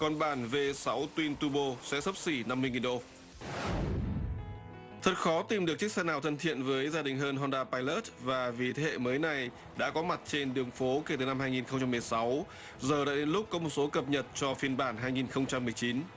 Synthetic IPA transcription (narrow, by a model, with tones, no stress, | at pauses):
kɔ˨˩nɓaː˧˩nve˧sa˨˦wt̪wi˧nt̪u˧ɓo˧sɛ̰˧˥sə˦˥p̚si˧˩na˧mːɨ˧əjŋi˨˩nɗo̰˧˨ | t̪ʰə˨˩t̚xɔ˨˦t̪i˨˩mɗɨ˨˩ək̚t͡ɕi˦˥k̚sɛ˧naː˨˩wt̪ʰə˧nt̪ʰḭ˧˨ənvəː˨˦jzaː˧ɗï˨˩ŋɦəː˧nɦɔ˧nɗaː˧paː˧jləː˦˥t̚vaː˨˩vi˨˩t̪ʰːhḛ˧˨məː˨˦jna˨˩j | ɗa̰ː˧˥kɔ˨˦ma˨˩t̚t͡ɕe˧nɗɨ˨˩əŋfo˨˦ke˧˩t̪ɨ˨˩na˧mɦaː˧jŋi˨˩nxə˧ŋ͡mt͡ɕa˧mːɨ˨˩əjsa˨˦w | zəː˨˩ɗa̰ː˧˨ɗe˨˦nlʊ˦˥k͡p̚kɔ˨˦mo˨˩t̚so˨˦kə˨˩p̚ɲə˨˩t̚t͡ɕɔ˧fi˧ənɓaː˧˩nɦaː˧jŋi˨˩nxə˧wŋ͡mt͡ɕa˧mːɨ˨˩əjt͡ɕi˨˦n